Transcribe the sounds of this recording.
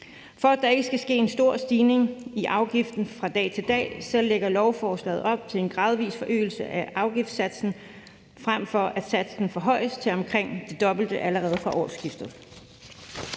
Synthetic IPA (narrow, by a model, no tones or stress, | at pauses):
fɒ̽æd̥ɑ̈e̝ɡ̥əsɡ̥æsɡ̥e̝̰ːe̝nsd̥o̝ɐ̰sd̥iːne̝ŋiʔɑ̈ʊɡ̥ifd̥n̩fʁɑ̈d̥ɛ̰ːt͡sʰe̝ld̥ɛ̰ːsɒ̽lːeɡ̥ɐlɒʊfɒːslɛ̰ːð̞̩ˠɒ̽b̥̚t͡sʰe̝le̝nɡ̥ʁɑ̈ːð̞ˠʋḭːsfɒ̽ʔø̰ːl̩səʔæʔɑ̈ʊɡ̥ifd̥sæd̥sn̩ | fʁam̰fɒ̽ʔæd̥sæd̥sn̩fɒ̽ɦɒ̽ɪ̰əst͡sʰe̝lɒ̽mkʰʁeŋ̰d̥e̝d̥ɒ̽b̥l̩d̥əʔæləʁɛːð̞ˠfʁɑ̈ʔɒ̰ːsɡ̥ifd̥ð̩ˠ